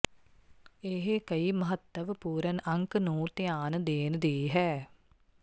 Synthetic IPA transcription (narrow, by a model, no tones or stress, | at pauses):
eːɦekɐimɐɦɐt̪ːɐʋəpuːɾɐnʔɐŋkənoːt̪ejaːnəd̪eːnəd̪eːɦɛ